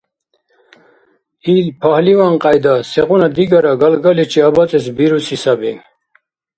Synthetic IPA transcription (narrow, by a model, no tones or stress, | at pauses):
ilpʰahlivanqʼajd̪asɛqunad̪iɡaɾaɡalɡalit͡ʃʰiabat͡sʼɛsbiɾusisabi